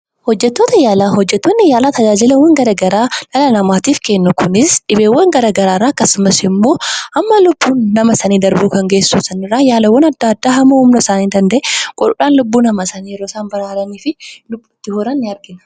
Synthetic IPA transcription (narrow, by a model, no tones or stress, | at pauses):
hɔd͡ʒːɛt̪ːo̞ːt̪ɐjaːlaɦɔd͡ʒːɛt̪ːonːɪjaːlaːt̪ɐd͡ʒaːd͡ʒɪlɐwːɐŋɡɐɾɐːɡɐɾaːlɐlɐnɐmaːt̪iːfkenːʊkʊnɪsᶑɪbeːwːɐŋɡɐɾɐːɡɐɾaːrːaːkːɐsʊmɐsɪmːo̞ːʔɐmːɐlʊbːuːnːɐmɐsɐniːd̪ɐɾbuːkɐŋɡe̞ːsuːsɐnɪrːaːjaːlɐwːɐnɐd̪ːaːd̪ːaːɦɐmːɐhʊmnɐɪsaːniːd̪ɐnd̪ɛʔekʼɔɗʊᶑaːnlʊbːuːnɐmɐsɐnijɛɾoːsaːnbɐɾaːɾɐniːfɪlʊbːɪt̪ːɪhoːɾɐnːɪɐɾɡɪnɐ̥